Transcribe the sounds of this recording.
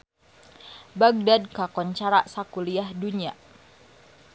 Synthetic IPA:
baɡ̚dad̚kakɔɲt͡ʃaɾaʔsakuliahduɲa

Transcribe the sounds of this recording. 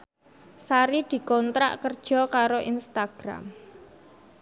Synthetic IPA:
saɾid̪̥i̤kɔnt̪ɾa̰ʔkərd̥ʒ̥ɔ̤kaɾoʔinst̪aɡ̥ɾa̰m

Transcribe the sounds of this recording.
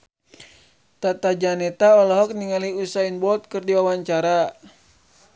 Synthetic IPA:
t̪at̪ad͡ʒanɛt̪aɔlɔɦɔk̚niŋaliusainbɔlt̪̚kɨrdiwawaɲt͡ʃaɾa

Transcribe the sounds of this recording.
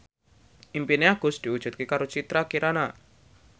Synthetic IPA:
ʔimpineaɡ̥ʊ̤sd̪̥i̤ud̥ʒ̥ṳt̪̚kekaɾot͡ʃit̪ɾakiɾana

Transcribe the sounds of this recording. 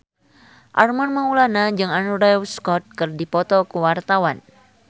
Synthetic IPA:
ʔarmanmaulanad͡ʒɨŋanuɾɛwskɔt̪̚kɨrdipɔt̪ɔkəwart̪awan

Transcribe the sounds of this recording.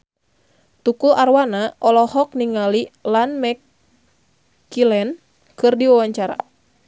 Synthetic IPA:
t̪ukularwanaʔɔlɔhɔk̚niŋalilanmɛk | ilɛn | kɨrdiwawaɲt͡ʃaɾa̰

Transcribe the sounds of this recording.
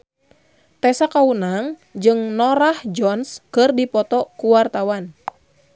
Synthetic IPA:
t̪ɛsakaunaŋd͡ʒɨŋnɔɾahd͡ʒɔnskɨrdipɔt̪ɔkuwart̪awan

